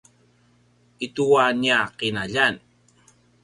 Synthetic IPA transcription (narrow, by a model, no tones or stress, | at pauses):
ituwaniaqinaʎan